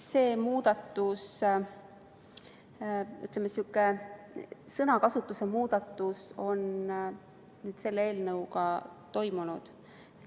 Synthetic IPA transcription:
se̞ːmuːd̪̥ɑt̪ːˑus | yt̪ːˑlemːesiukːˑe | sɤnɑkɑsut̪ːˑuse̞muːd̪̥ɑt̪ːˑuso̞n | nyːd̪̥se̞lːee̞ːlnɤwkɑt̪o̞jmunud̪̥

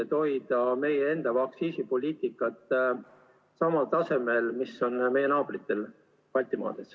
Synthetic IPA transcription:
et̪o̞jd̪̥ɑme̞jee̞nd̪̥ɑvɑksiːsipo̞lʲiːt̪ˑikːˑɑt̪ːˑ | sɑmɑlt̪ɑse̞melmiso̞nme̞jenɑːb̥rit̪ːˑe̞l | pɑlʲt̪imɑ̰ːd̪̥es

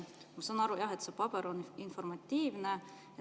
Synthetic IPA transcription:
mɑsɑnːɑɾujɑɦet̪sepɑbeɾoninfo̞rmɑt̪ʲːiːvne | jɑ

